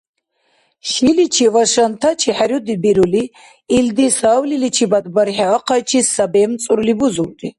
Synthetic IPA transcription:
ʃilit͡ʃʰivaʃant̪ʰat͡ʃʰiħaɾjud̪ibiɾuliː | ld̪isaːwlilit͡ʃʰibad̪baɾħaːqʰat͡ʃʰisːabɛːmt͡sʼuɾulibuzuɾd̪i

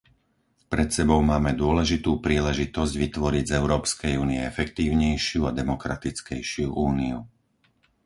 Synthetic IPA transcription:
pɾɛt̪sɛbɔʊmaːmɛd̪ʊɔlɛʒit̪uːpɾiːlɛʒit̪ɔzɟʋit̪ʋɔɾiɟzɛʊɾɔːpskɛjuːniɛɛfɛkt̪iːʊɲɛjʃɪuad̪ɛmɔkɾat̪it͡skɛjʃɪuʔuːniu

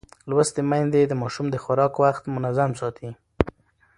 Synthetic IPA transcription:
lwəst̪emajnd̪ed̪əmɑʃumd̪əxʊɾɑkwaxt̪mʊnazamsɑt̪ʰi

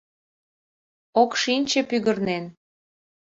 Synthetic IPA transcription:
okʃinʲt͡ɕĕpyɣərnen

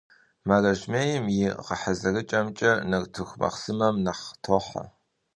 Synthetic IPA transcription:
mɐrɐʒmeːjɪmjɪʁəħazɐrɨt͡ʃʼɐmt͡ʃʼɐnɐrtʰɨxʷmɐ̰χsɨmɐmnaχtʰoːħa̰

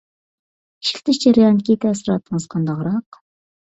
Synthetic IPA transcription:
ʃɪ̥χʲt̪ɪʃd͡ʒeɾjɑŋkʲit̪ɛsɾɑt̪ʰːəɴɨzqʰɑnd̪ɑʁɾɑq

